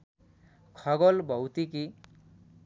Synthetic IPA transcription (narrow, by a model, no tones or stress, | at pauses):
kʰʌɡolbʱʌwt̪iki